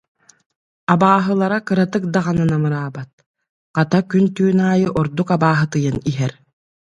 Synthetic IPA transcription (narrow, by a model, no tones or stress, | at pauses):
abaːɦɯlˠaɾakɯɾat̪ɯk̚d̪aʁananamɯɾaːbat̪̚ | qat̪akynt̪yːnaːjɯʔɔɾd̪ukabaːɦɯt̪ɯjaniɦɛɾ